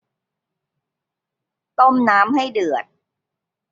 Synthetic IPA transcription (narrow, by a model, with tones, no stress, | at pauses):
t̪o˥˩mnaː˦˥mha˥˩jdɯ˨˩ət̪̚